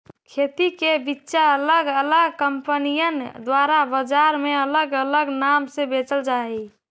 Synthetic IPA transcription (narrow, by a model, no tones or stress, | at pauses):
kʰet̪ikebitːʃaələɡələɡkəmpənijənd̪waɾabəd͡ʒaɾmeələɡələɡnamsebet͡ʃəld͡ʒai